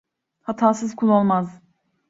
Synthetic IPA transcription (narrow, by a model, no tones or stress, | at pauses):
hat̪ʰaːsɯzkʰulˠo̞lˠmaz